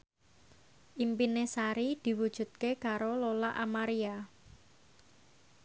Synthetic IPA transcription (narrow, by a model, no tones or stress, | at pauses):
ʔimpinesaɾid̪̥i̤wud̥ʒ̥ṳt̪̚kekaɾololaʔamaɾia